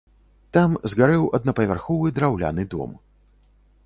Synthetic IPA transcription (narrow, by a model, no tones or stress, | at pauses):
t̪amzɣaɾɛwɐd̪̚nɐpɐvʲarxɔvɨd̪ɾawlʲa̰nɨd̪ɔ̰m